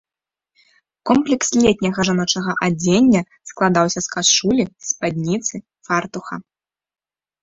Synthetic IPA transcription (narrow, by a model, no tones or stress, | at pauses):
kɔmplʲɛkslʲet̪ʲnʲɐɣɐʐanɔt͡ʂɐɣɐʔad͡zʲenʲːɐ | sklˠad̪awsʲɐskaʂulʲispad̪ʲnʲit̪sɨ | fart̪uxɐ̰